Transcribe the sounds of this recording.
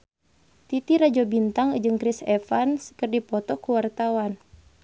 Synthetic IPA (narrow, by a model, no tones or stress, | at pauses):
t̪it̪iɾad͡ʒɔbint̪aŋd͡ʒɨŋkɾisɛfansə̥kərdipɔt̪ɔkuwart̪awan